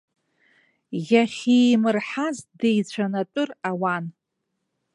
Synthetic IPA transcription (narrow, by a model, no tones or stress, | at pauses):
jʲaχʲijmɨrħazdejt͡ɕʷʰanatʼʊrawan